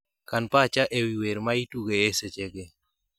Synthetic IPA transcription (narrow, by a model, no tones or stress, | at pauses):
kanpat͡ʃaʔewiweɾmaituɡeːset͡ʃeɡe